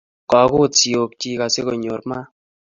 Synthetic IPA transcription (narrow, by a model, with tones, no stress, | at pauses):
kɔ˨˦ko˦˨t͡si˨o˨k̚t͡ʃi˦ka˨se˦ko˨ɲo˨ɾma˦